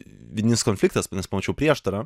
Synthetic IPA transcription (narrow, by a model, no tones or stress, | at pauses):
ʋʲɪd̪ʲɪnʲɪskɔnfʲlʲɪkt̪ɐsnʲɛspɔmɔt͡ʃʲɛʊpʲɾʲiɛʃt̪ɐɾɐ